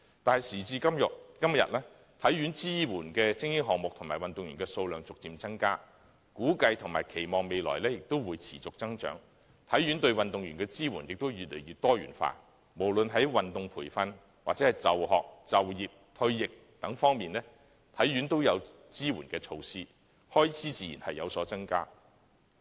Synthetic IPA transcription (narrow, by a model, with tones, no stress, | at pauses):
t̪aː˨nhɐ˨jsiː˨˩t͡siː˧kɐ˥mjʊ˨kɐ˥mjɐ̰˨t̚lɛː˥ | t̪ʰɐ˨˥jɥyː˨˥nt͡siː˥wuː˨˩nkɛː˧t͡sɪ˥ŋjɪ˥ŋɦɔː˨k̚mʊ˨k̚t̪ʰʊ˨˩maː˨˩jwɐ˨nt̪ʊ˨ŋɥyː˨˩kɛː˧so˧wlœː˨˧ŋt͡sʊ˨k̚t͡siː˧mt͡sɐ˥ŋkaː˥ | kuː˨˥kɐ˧jt̪ʰʊ˨˩ŋma̰ː˨˩jkʰe˨˩jmɔː˨ŋme˨jlɔ̰ː˨˩jlɛː˥jɪ˨k̚t̪o˥wwuː˨˧jt͡sʰi̥ː˨˩t͡sʊ˨k̚t͡sɐ˥ŋt͡ʃœ̰ː˨˥ŋ | t̪ʰɐ˨˥jɥy˨˥nt̪ɵ˧ɥwɐ˨nt̪ʊ˨ŋjyː˨˩nkɛː˧t͡siː˥wuː˨˩njɪ˨k̚t̪o˥wjyː˨t̚lḛ˨˩jɥyː˨˧t̪ɔː˥jy̰ː˨˩nfa̰ː˧˥ | mo˨˩wlɵ˨nɦɐ˨˥jwɐ˨nt̪ʊ˨˧ŋpʰuː˨˩jfɐ˧n | waː˨t̚t͡sɛ˨˥hɐ˨jt͡sɐ˨˩wɦɔː˨k̚t͡sɐ˨wjiː˨p̚t̪ʰɵ˧ɥjɪ˨k̚ | t̪ɐ˨˥ŋfɔː˥ŋmiː˨˩nlɛː˥ | t̪ʰɐ˨˥jɥy˨˥nt̪o˥wjɐ˨˧w | t͡siː˥wuː˨˩nkɛː˧t͡sʰo˧wsiː˥ | hɔː˥jt͡sʰiː˥t͡siː˧jiː˨˩nhɐ˨jːɐ˨˧wsɔː˨˥t͡sɐ˥ŋkaː˥